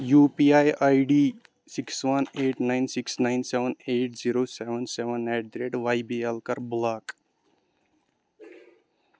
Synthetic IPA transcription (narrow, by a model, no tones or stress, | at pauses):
juːpiajajɖi | siksʋɐneːʈnaɪnsiksnaɪnseʋəneːʈziɾoːseʋənseʋənːeʈ̚d̪ɾeːʈʋajbielkɐɾblaːk